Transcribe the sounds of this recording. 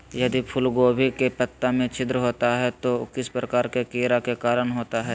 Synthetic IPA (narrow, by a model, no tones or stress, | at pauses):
jɐd̪ipʰʊlɡoːbikepət̪ːamẽt͡ʃʰɪd̪ɾəɦoːt̪aɦɛt̪okɪspɾəkaːɾkekeːɾakekaːɾənɦoːt̪aɦɛː